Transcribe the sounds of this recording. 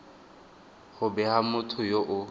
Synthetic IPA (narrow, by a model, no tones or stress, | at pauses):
χʊbɛhamʊtʰʊjoʔʊ